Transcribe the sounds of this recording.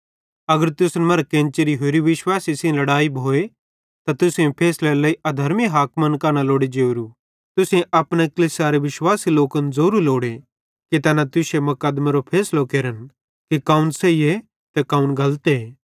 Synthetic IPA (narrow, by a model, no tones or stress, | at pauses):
ɐɡəɾt̪ʊsnmɐɾkːẽːnt͡ʃeɾiɦoːɾiʋɪʃwaːsisẽlɐɽaːibʱoːe | t̪at̪ʊsẽpʰeːslelɐiʔɐd̪ʱɐɾmiɦaːkmɐnkɐːnaloːɽid͡ʒeːɾu | t̪ʊsẽʔɐpɽ̃ekɐliːsaɾeʋɪʃwaːsiloːkənzoːɾuloːɽe | kit̪ɐnat̪ʊsemɐkəd̪maɾopʰeːslokeːɾən | kekaːunseie | t̪ɛkaːũnɡʱɐlt̪eː